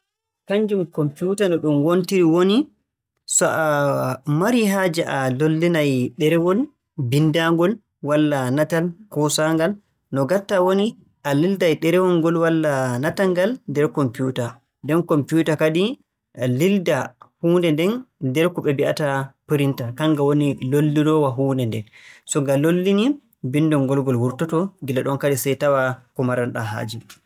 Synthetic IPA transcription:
kaɲd͡ʒumkɔmpjutanɔɗumwontiɾiwoni | sɔʔamaɾiɦaːd͡ʒɛʔalolːinajɗɛɾɛwɔl | bindaŋɡɔl | walːanatalkɔsaŋɡal | nɔɡaɾtːawoni | ʔalildajɗɛɾɛwɔŋɡɔlwalːanataŋɡaldɛɾkɔmpjuta | dɛnkɔmpiutakadi | lildahuːndɛndɛndɛɾkɔɓɛbiʔa̰tapiɾintakaŋɡawonilolːiɾɔwaɦuːndɛndɛ̰nsɔɡalolːini | binːdɔŋɡɔlɡɔlwuɾtɔtɔɡilaɗɔnkaɗisajtawakɔmaɾanɗa̰ɦa̰ːd͡ʒi

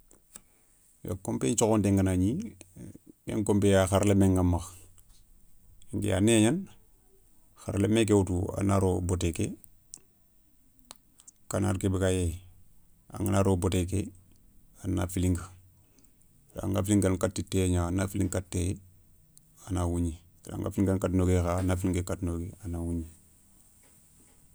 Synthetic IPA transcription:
wa̰kompeɲt͡ʃoxondeŋɡanaɲi | ḛŋkompejaxaɾlemeŋɡamax | ŋɡḛa̰neɲan | xa̰ɾlemek̬ewutua̰naɾoboteke | kanaɾkebikaje | a̰ŋɡanaɾoːbotek̬e | ana̰filiŋɡ | pɾa̰ŋɡafiliŋɡankatːitːeɲaanafiliŋkatːe | anawuɲi | pɾa̰ŋɡa̰filiŋɡankatnoɡexaːnafiliŋɡekatnoːɡeanawuɲi

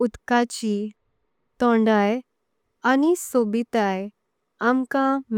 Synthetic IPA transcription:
ut̪kat͡ɕi | t̪ɔ̃ɳɖaj | anisobit̪aj | amkãm

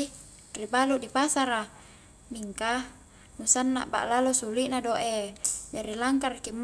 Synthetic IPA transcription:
ribaluʔdipasaɾa | miŋka | nusanːa̰ʔba̰ʔlalosuliʔnadoʔed͡ʒaɾilaŋkarkimː

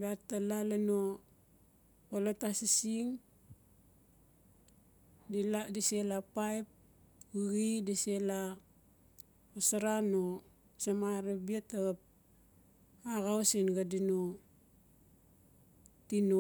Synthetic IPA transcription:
batːalalano | olatasisiŋ | diladiselapajp̚ | uɣidisela | osaɾano | samaɾabiataɣap̚ | aɣawsinɡadino | tino

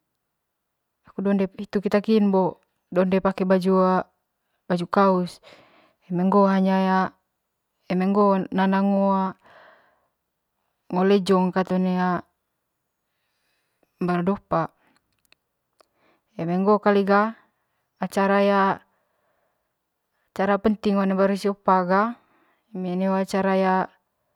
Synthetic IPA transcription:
akudɔndɛit̪ukit̪akinbɔ | dɔndɛpakɛbad͡ʒua | bad͡ʒukaus | ɛmɛŋɡɔɦaɲaja | ɛmɛŋɡɔnanaŋoa | ŋɔlɛd͡ʒɔŋkat̪ɔnɛa | baɾudɔpa | ɛmɛŋɡɔkaliɡaː | t͡ʃaɾaja | t͡ʃaɾapənt̪iŋɔnebaɾusiɔpaɡa | emenewat͡ʃaɾaja

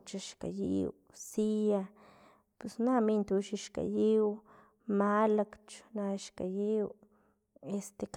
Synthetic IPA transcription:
t͡ʃaʃka̰jḭw | sija | pwesnamint̪uʃiʃka̰jiw | malakt͡ʃnaʃkajiw | est̪ek

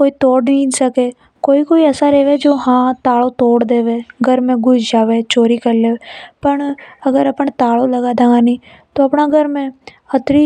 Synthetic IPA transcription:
koːit̪oːɽnĩːd͡ʒsəkeː | koːikoːiɛːsaɾeːʋed͡ʒoːɦãːt̪aːlot̪oːɽd̪eːʋeːɡʱəɾmẽɡʊd͡ʒd͡ʒaːʋet͡ʃoːɾikəɾleːepəɳəɡəɾəpəɳt̪aːloləɡaːd̪aɡaniː | t̪oːɐpnaɡʱəɾmẽ | ət̪ɾi

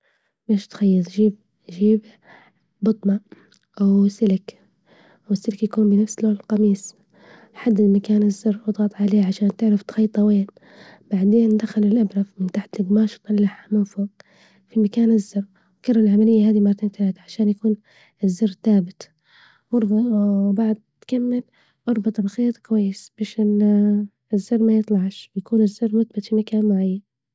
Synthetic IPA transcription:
meːʃt̪xajːɑt̪ˤʒiːb | ʒiːb | bʊt̪ˤmɑ | ʔwsɪlɪk | wɪsːɪlkjakuːmbɪnafsloːllqɑmiːs | ħad̪ːɪd̪makaːnɪzːɑrːwt̪ɣɑt̪ˤʕaleːʕaʃaːnt̪ɪʕɾɪft̪xɑjːt̪ˤɑweːn | b̥aʕd̪eːnd̪axalɪlʔabɾafmɪnt̪aħt̪ɪbnɑːʃt̪ˤɑlːaħamʊːfu | fimakaːnɪzːɪr | wkɑrˤːalʕamalɪjːaɦaːd̪imɑrˤːɑt̪iːnt̪ɪlaːd̪aʕaʃaːnjakuːn | ɪzːɪrˤθaːbɪt̪ | ʔɑɾˤbɑwbaʕad̪̚t̪kamːɪl | ʔɑɾˤbɑt̪ˤɑɾˤxiːt̪ˤkwajːɪsb̥eːʃɪ | ɪzːɑrˤːmajɨt̪ˤlɑʕʃwjakuːnɪzːɪrːmʊθbat̪fimakaːnmaʕajːan

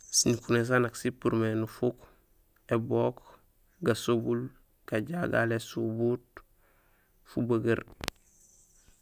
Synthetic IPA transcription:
siɲkunes̬anaksipuɾmenufuk | eboːk | ɡasobul | kaɟaɡa̰lesubut | fubəɡɐɾ

